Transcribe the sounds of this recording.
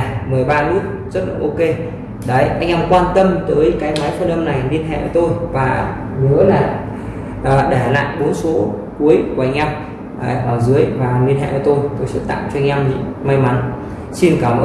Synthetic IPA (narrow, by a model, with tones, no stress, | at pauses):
mɨ˨˩əjɓaː˧nu˦˥ət̚ | zə˦˥t̚ɗə̰˧˩ʔo˧ke˧ | ɗə˨˦jʔa˧jŋ̟ʔɛ˧mkwaː˧nt̪ə˧mt̪əː˨˦jkaː˨˦jma˨˦jfə˧nʔə˧mna˨˩jli˧ənɦɛ̰˧˨ʔəː˧˩t̪o˧jvaː˨˩ | nɨ˨˦əlaː˨˩ | ʔəː˨˩ɗe˧˩a˨˩la̰ː˧˨jɓo˨˦nso˨˦ | ku˨˦əjku˨˩ʔa˧jŋ̟ʔa˧w | ʔəː˨˩ʔɛ˧mʔəː˧˨˩zɨ˨˦əjvaː˨˩li˧ənɦɛ̰˧˨ʔəː˧˩t̪o˧jt̪o˨˩jsɨ̰˦˥t̚t̪a̰˧˨ŋt͡ɕɔ˧ŋ̟ʔa˧wmɲḭ˧˥ma˧jma˨˦n | si˧nkaː˧˩m̰˧